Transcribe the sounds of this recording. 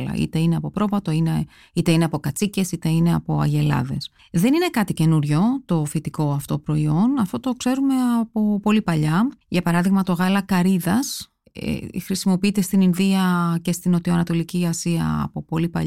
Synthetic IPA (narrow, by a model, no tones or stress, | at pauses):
lɐ̰ḭt̪e̞ineɐpo̞pɾo̞vɐt̪o̞ine | it̪e̞ineɐpokɐt͡sice̞sit̪e̞ine̞ɐpo̞ɐ̰ʝe̞lɐ̰ðe̞̰s | ðe̞nine̞kɐt̪ice̞nuɾʝo̞t̪o̞fit̪iko̞ɐft̪o̞pɾo̞io̞nɐft̪o̞t̪o̞kse̞ɾume̞ɐpo̞po̞lipɐʎɐʝɐpɐɾɐðiɣmɐt̪o̞ɣɐlɐkɐɾiðɐs | ḛxɾisimo̞piit̪e̞st̪ininðiɐce̞st̪inot̪ioɐnɐt̪o̞liciɐsiɐ̰ːpo̞po̞lipɐ̰ʎ